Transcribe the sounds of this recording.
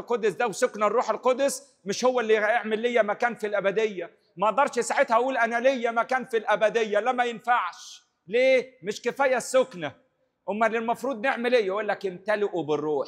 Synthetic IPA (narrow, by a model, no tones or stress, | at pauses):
lqɑd̪ːsd̪æwsʊknærˤːuːħelqɑd̪ʊs | mɪʃhʊwːælːijeʕmɪlːɪjːæmækæːnfilʔæbæd̪ejːæ | mæʔɑʔd̪ɑɾˤʃjesaʕet̪hæwuːlʔænælejːæmækæːnfilʔæbæd̪ejːælæmːæjɪnfaʕʃ | leːmɪʃkɪfæːjːæsːʊknæ | ʔʊmːælɪlmɑfɾuːd̪neʕmɪlʔejːæʔolːækɪmt̪ælɪʔubɪrːuːħ